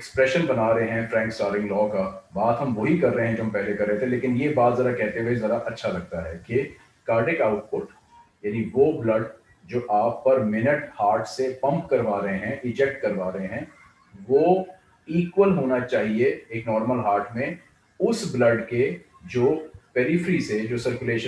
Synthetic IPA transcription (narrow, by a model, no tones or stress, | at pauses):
ɪkspɾɛːʃənbɐnaːɾəɦeɦɛ̃fɾɛ̃ːŋksʈaːɾɪ̃ŋɡlɔːkabaːt̪ɦɐmʋoɦikɐɾːəɦẽɦɛ̃d͡ʒoːɦɐmpɛɦlekɐɾːeɦt̪ʰẽleːkɪnjebaːt̪zɐɾakɛɦt̪eʋezɐɾaʔɐtːʃʰalɐɡ̚t̪aɦɛːke | kaːɾʈɪkaːʊʈ̚pʊʈ | jaːniʋoblɐɖ | d͡ʒoːʔaːpːɐɾmɪnəʈhaːɾʈʰsepɐ̃mpkɐɾʋaːɾɐɦẽɦɛ̃ʔɪd͡ʒɛk̚ʈ̚kɐɾʋaːɾɐɦẽɦɛ̃ː | ʋoː | iːkʋəlɦoːnat͡ʃaːɦieeːknɔːɾməlɦaːɾʈʰmẽ | ʊsblɐɖke | d͡ʒoːpeɾɪfɾised͡ʒoːsɐɾkʊleːʃə